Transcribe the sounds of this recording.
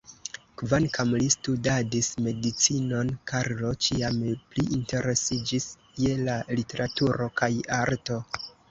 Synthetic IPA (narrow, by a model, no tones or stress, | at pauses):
kvankamlistudadisme̞dit͡sino̞nkaɾlo̞t͡ʃiampliʔinte̞ɾe̞sid͡ʒiskielalite̞ɾatuɾo̞kʰajaɾto̞